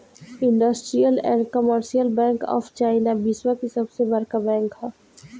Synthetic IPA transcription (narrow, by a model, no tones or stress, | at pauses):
ɪ̃ɳɖəsʈɾijəlɛ̰nkəməɾʃijəlbɛ̃ːŋkɔ̰ːft͡ʃaːɪnabɪswakisɐbsebɐɾkabɛ̃ːŋkɦaː